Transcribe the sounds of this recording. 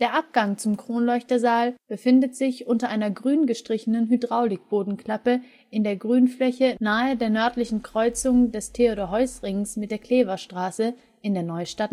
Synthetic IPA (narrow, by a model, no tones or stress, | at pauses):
d̥eːɐʔap̚ɡ̥aŋt͡sʊmkʁ̥oːnlɔʏçtɐzaːlb̥əfɪndətz̥ɪçʔʊntɐʔaɪnɐɡʁyːnɡəʃtʁ̥ɪçənənɦydʁaʊlɪk̚b̥oːdn̩kʰl̥apə | ʔɪndeːɐɡʁyːnflɛçənaːədeːɐnœɐtlɪçn̩kʁ̥ɔʏt͡sʊŋdɛstʰeoɾoɦɔʏsʁɪŋsmɪt̚d̥eːɐkʰl̥eːvɐʃtʁ̥aːsə | ɪndeːɐnɔʏʃtat